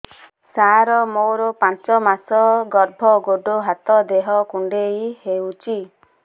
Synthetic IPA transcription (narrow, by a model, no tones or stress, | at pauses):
saɾɔmowɾɔpãnt͡ʃɔmasɔɡɔɾbʱɔɡoɖoɦat̪ɔd̪eɦɔkuɳɖejhewt͡ʃʰi